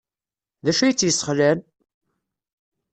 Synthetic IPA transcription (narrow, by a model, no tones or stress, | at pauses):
ðæʃujət͡sːjəsːə̥χlæn